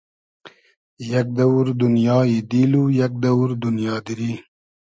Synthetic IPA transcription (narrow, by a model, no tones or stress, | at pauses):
jak̚d̪ɐwɾd̪unjɑːid̪ilujɐk̚d̪ɐwɾd̪unjɑːd̪iɾi